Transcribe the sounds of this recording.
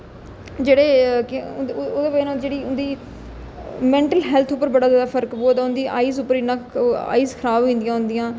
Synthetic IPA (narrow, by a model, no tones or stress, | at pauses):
d͡ʒeːɽeːk̪od̪eːbenãːd͡ʒeːɽiːʊnd̪iː | mɛ̃ːɳʈəlɦɛːlt̪ʰʊpːəɾbəɽaːzaːd̪aːpʰəɾkboːd̪aːʊ̃nd̪iʔa̰ːiːsʊpːəɾinãːa̰ːiːzkʰəɾaːbʋĩːnd̪ijãːɦʊ̃nd̪ɪjãː